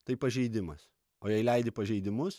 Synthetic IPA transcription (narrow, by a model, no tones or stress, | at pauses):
t̪ɐɪpɐʒʲɛɪd̪ʲɪmɐs | oːjɛɪlʲɛɪd̪ʲɪpɐʒʲɛɪd̪ʲɪmʊs